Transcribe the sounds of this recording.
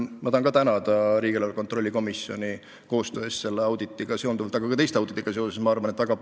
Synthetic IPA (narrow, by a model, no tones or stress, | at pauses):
mɑt̪ɑhɑnkɑt̪ænɑd̪ɑɾiːɡilɑlko̞nt̪ro̞lʲːiko̞misjo̞nʲi | ko̞ːst̪ø̞ːesse̞lːeɑwd̪̥it̪ːˑiɡ̥ɑse̞ond̪uvɑlt̪ːɑɡ̥ɑkɑt̪ejst̪ɑwd̪̥it̪ːˑiɡ̥ɑsesesmɑɑrvɑnet̪væɡ̥ɑ